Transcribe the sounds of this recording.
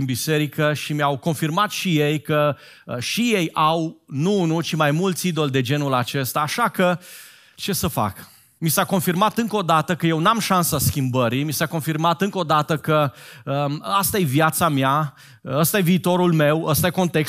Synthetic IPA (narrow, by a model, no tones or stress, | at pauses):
inbise̞ɾikəʃimjawko̞nfirmat̪ʃije̞jkə | ʃije̞jawnunut͡ʃimajmult̪sʲid̪o̞ld̪e̞d͡ʒe̞nulat͡ʃe̞st̪aːʃakə | t͡ʃe̞səfa̰k | misako̞nfirmat̪ɨŋkəo̞d̪at̪əkəje̞wnamʃansaskʲimbəɾimisako̞nfirmat̪ɨŋko̞d̪at̪əkəəast̪aje̞vjat̪samja | əst̪aje̞viːt̪o̞ɾulme̞wəst̪aje̞ko̞nt̪e̞ks